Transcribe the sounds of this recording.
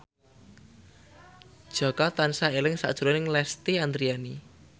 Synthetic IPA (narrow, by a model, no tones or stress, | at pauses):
d̥ʒ̥ɔ̤kɔt̪ansaelɪŋsa̰ʔd̥ʒ̥ṳɾɔnɪŋlɛst̪iand̪ɾiani